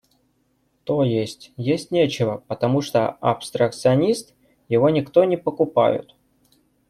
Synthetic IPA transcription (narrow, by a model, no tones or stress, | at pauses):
t̪ojesʲtʲjesʲtʲnʲet͡ɕɪvəpət̪ɐmuʂt̪o̰ɐ̰pst̪ɾək̚t̪sɨɐnʲist̪ | jɪvo̞nʲɪkt̪o̞nʲɪpəkʊpa̰jʊ̰t̪